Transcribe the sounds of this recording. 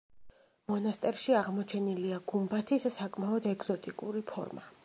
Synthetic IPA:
mɔnast̪ʼɛɾʃiaʁmɔt͡ʃʰɛniliaɡumbat̪ʰisːakʼmaɔd̪ɛɡz̥ɔt̪ʼikʼuɾipʰɔ̰ɾma̰

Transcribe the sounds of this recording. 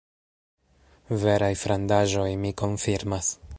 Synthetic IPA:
ve̞ɾajfɾandaʒo̞jmiko̞nfiɾmas

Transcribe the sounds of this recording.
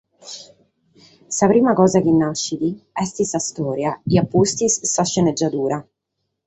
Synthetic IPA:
saβɾimaɡɔzaɡinːaʃid̪iɛst̪isast̪oːɾjaijapuːst̪issaʃɛnɛd͡ʒad̪uːɾa

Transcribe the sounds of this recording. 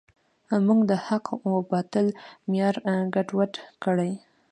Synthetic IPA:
amuɡd̪əhaqʰobɑt̪əlmjɑɾɡaʈwaʈkəɽaj

